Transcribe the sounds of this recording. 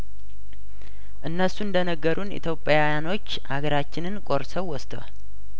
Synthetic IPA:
ʔɨnːəsuɨnd̪ənəɡːəɾʔunḭt̪ʰjo̞pʼjajano̞t͡ʃːhaɡəɾat͡ʃːɪnɨnkʼo̞ɾsəwːɔst̪əwa̰l

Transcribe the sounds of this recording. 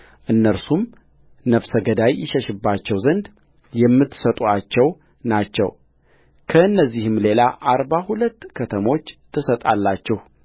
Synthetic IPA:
ʔɨnːəɾsum | nəfsəɡəd̪ajːɪʃɛʃɨbːat͡ʃːɛwzənd̪ | jɛmːɨt̪ːsət̪ʼuat͡ʃːɛw | nat͡ʃːɛ̰w | kʰəɨnːəzːihɨmle̞laʔaɾbahulət̪ːkʰət̪ʰəmo̞t͡ʃːt̪ʰːɨsət̪ʼalːat͡ʃːɪh

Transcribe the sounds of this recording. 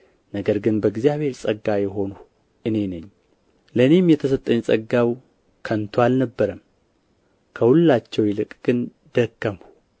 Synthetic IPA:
nəɡəɾɡɨnbəɡzijaβhe̞ɾsʼəɡːajɛɦo̞nu | ʔɨne̞nəɲː | ləɨne̞mjɛt̪ʰəsət̪ʼːəɲsʼəɡːaw | kʰənt̪ʰwalnəbːəɾəm | kʰəhulːat͡ʃːɛwjɪlɨkʼɡ̥ɨn | d̪əkːəmhu̥

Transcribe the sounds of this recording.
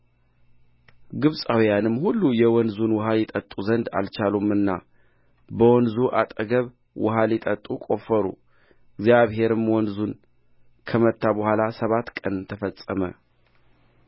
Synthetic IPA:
ɡɨβsʼawijanɨmːhulːujɛwɔnzunwʊɦaljɛt̪ʼət̪ʼuzənd̪a̰lt͡ʃalumɨnːa | bəwɔnzuʔat̪ʼəɡəβ | wʊɦalɛt̪ʼət̪ʼːukʼo̞fəɾṵ | ɪɡzjaβɦe̞ɾɨmwɔnzun | kʰəmət̪ʰːabəhʷalasəβat̪ːkʼənt̪ʰəfəsʼːəmə̰

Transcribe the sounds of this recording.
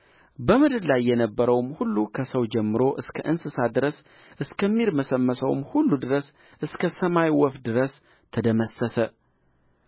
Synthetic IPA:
bəmɨd̪ɨd̪lajːɛnəbːəɾəwmhulːukʰəsəwd͡ʒɛmːɨɾo̞ʔɨskʰəʔɨnsɨsad̪ɨɾəs | ʔɨskʰəmːiɾməsəmːəsəwmhulːud̪ɨɾəs | ʔɨskʰəsəmajwɔfd̪ɨɾəs | t̪ʰəd̪əməsəsə

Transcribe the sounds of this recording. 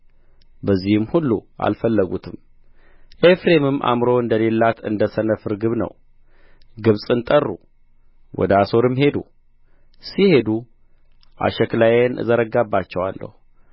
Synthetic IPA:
bəzːihɨmhulːṵʔa̰lfəlːəɡut̪ʰɨm | ʔefɾe̞mɨmːʔa̰mɾo̞ɨnd̪əle̞lːat̪ʰɨ̰nd̪əsənəfɨɾɡɨβnə̰w | ɡɨβsʼɨnt̪ʼərːṵ | wɔ̰d̪əaso̞ɾɨmhe̞d̪ṵ | sihe̞d̪u | ʔa̰ʃɛklajenzəɾəɡabːat͡ʃːɛwa̰lːə̰hu

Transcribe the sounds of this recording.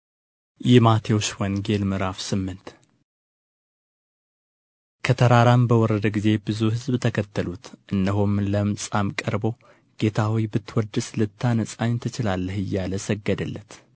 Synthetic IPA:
jɪmat̪ʰewoʃwɔnɡe̞lmɨɾafsɨmːɨnt̪ | kʰət̪ʰəɾaɾambəwɔɾəd̪əɡize̞bɨzuhɨzbt̪ʰəkʰət̪ːəlut̪ʔɨndəɦomləmsʼamkʼəɾbo̞ | ɡ̥e̞t̪ʰawijbɨt̪ːwɔd̪ɨslɨt̪ʰːanəsʼaɲt̪ʰɨt͡ʃɪlalːəhɨjːaləsəɡːəd̪əlːət̪

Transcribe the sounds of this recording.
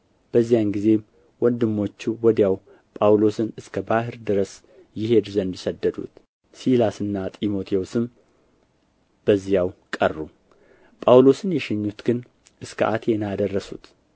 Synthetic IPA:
b̥əzːijanɡize̞ | wɔnd̪ɨmːo̞t͡ʃːuwɔd̪jaw | pʼawlo̞sɨnɨskʰəbahɨɾd̪ɨɾəs | jɪhe̞d̪zənd̪isəd̪ːəd̪ṵt̪ | silasɨnːat̪ʼimo̞t̪ʰeosɨm | b̥əzːijawkʼərːu | pʼawlo̞sɨnjɛʃɪɲːut̪ɡɨn | ʔɨskʰə̰ʔat̪ʰenad̪ərːəsṵt̪

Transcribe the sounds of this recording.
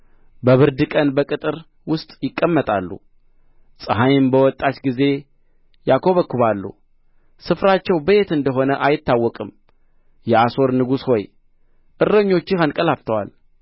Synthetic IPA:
bəβɨɾd̪ɨkʼənbəkʼɨt̪ʼɨɾ | wʊst̪ʼjɪkʼːəmːət̪ʼa̰lːṵ | sʼɨɦajɪmbəwɔt̪ʼːat͡ʃɡize̞ | jakʰo̞βəkːuβalːṵ | sɨfɾat͡ʃːɛwbəe̞t̪ɨnd̪əɦo̞nəʔajɪt̪ːawːɔkʼɨm | jɛaso̞ɾnɨɡusho̞j | ʔɨrːəɲːo̞t͡ʃːɪhankʼəlaft̪ʰəwa̰l

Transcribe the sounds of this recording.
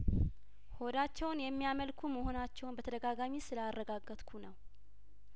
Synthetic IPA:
ho̞d̪at͡ʃːɛwnjɛmːijaməlkʰuməho̞nat͡ʃːɛwnbət̪ʰəd̪əɡaɡamisɨlarːəɡaɡːət̪kʰunəw

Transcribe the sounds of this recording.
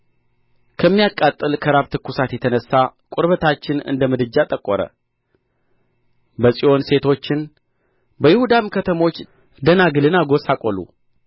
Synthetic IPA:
kʰəmːijakʼːat̪ʼːɨlkʰəɾaβt̪ʰɨkʰːusat̪jɛt̪ʰənəsːakʼʊɾβət̪ʰat͡ʃːɪnɨ̰nd̪əmɨd̪ɨd͡ʒːat̪ʼəkʼːɔɾə̰ | bəsʼio̞nse̞t̪ʰo̞t͡ʃːɪn | bəjɪhud̪amkʰət̪ʰəmo̞t͡ʃː | d̪ənaɡɨlɨnaɡo̞sakʼolṵ

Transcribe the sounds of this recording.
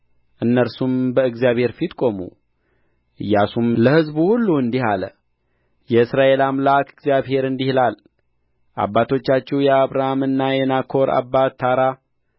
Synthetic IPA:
ʔɨnːəɾsumbəɨɡzjaβhe̞ɾfit̪kʼo̞mṵ | ʔɨjːasumləhɨzbuhulːuɨnd̪ihalə̰ | jɛɨsɾaʔe̞lamlakʰɨɡzjaβhe̞ɾɨnd̪ihlal | ʔa̰bːat̪ʰo̞t͡ʃːat͡ʃːɛwjɛaβɾahamɨnːajɛnakʰo̞ɾa̰bːat̪ːaɾa

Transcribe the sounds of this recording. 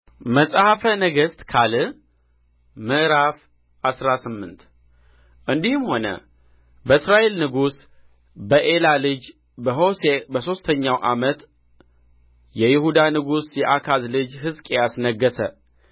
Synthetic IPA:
məsʼhafənəɡəst̪ʼkʰalɨ | mɨʔɾaf | ʔasɾasɨmːɨnt̪ | ʔɨnd̪ihɨmho̞nə̰ | bəɨsɾaʔe̞lnɨɡus | bəʔe̞lalɨd͡ʒ | bəɦo̞sebəso̞st̪ʰəɲːawʔa̰mət̪ | jɛjɪhud̪anɨɡusjɛʔakʰazlɨd͡ʒɦɨskʼejasnəɡːəsə

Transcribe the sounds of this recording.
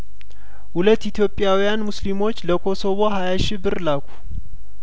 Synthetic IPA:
hulət̪ːit̪ʰjo̞pʼːɪjawijanmuslimo̞t͡ʃːləkʰo̞so̞βo̞ɦajaʃɪbːɨɾlakʰu̥

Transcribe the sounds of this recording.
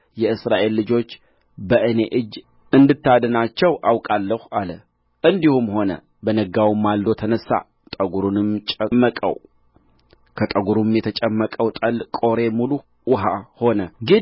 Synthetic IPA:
jɛɨsɾaʔe̞lːɨd͡ʒo̞t͡ʃː | bəʔɨne̞ʔɨd͡ʒː | ɨnd̪ɨt̪ːad̪ənat͡ʃːɛwʔawkʼalːəhalə | ʔɨnd̪ihumho̞nə̰ | bənəɡawimːald̪o̞t̪ʰənəsːa̰ | t̪ʼəɡuɾunɨmt͡ʃʼəmːəkʼə̰w | kʰət̪ʼəɡuɾumjɛt̪ʰət͡ʃʼəmːəkʼəwt̪ʼəlkʼo̞ɾe̞mulu | wʊɦaho̞nəɡɨ

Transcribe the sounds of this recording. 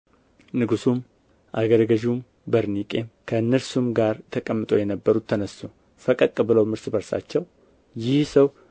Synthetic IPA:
nɨɡusum | ʔa̰ɡəɾɡəʒum | bəɾnikʼe̞mkʰəɨnːɨɾsumɡaɾt̪ʰəkʼəmːɨt̪ʼo̞jɛnəbːəɾut̪ʰːənəsːo | fəkʼəkʼːɨbɨləwmɨɾsbəɾsa̰t͡ʃːɛw | jɪhsəw

